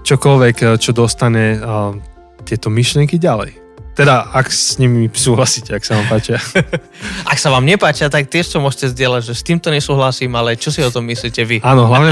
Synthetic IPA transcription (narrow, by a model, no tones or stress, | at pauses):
t͡ʃɔkɔlʋɛkt͡ʃɔd̪ɔst̪aɲɛ | t̪ɪɛt̪ɔmiʃlɪɛŋkiɟalɛ̰j | t̪ɛd̪aakssɲimisuːɦlasiːcɛaksaʋaːmpaːt͡ʃɪa | ʔaksaʋaːmɲɛpaːt͡ʃɪat̪ak̚t̪ɪɛʃt̪ɔmʊɔʒcɛzdɪɛlaɟʒɛst̪iːmt̪ɔɲɛsuːɦlasiːmalɛt͡ʃɔsiɔt̪ɔmːisliːcɛʋiaːnɔɦlaʊɲɛ